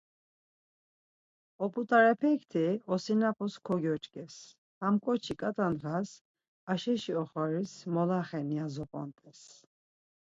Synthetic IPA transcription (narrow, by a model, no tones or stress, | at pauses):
ɔpʼut̪ʼaɾɛpʰɛkʰt̪ʰiɔsinapʰɔskʰɔɡjɔt͡ʃʼkʼɛs | hamkʼɔt͡ʃʰikʼat̪ʼanʁas | aʃɛʃiɔχwaɾismɔlaχɛniazɔpʼɔ̰nt̪ʼɛs